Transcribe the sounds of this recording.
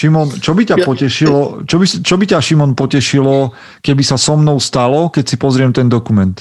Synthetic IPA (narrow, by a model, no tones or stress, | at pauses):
ʃimɔnt͡ʃɔbicapɔcɛʃilɔt͡ʃɔbist͡ʃɔbicaʃimɔnpɔcɛʃilɔ | kɛbisasɔmnɔʊst̪alɔkɛcsipɔzɾɪɛmt̪ɛnd̪ɔkumɛnt̪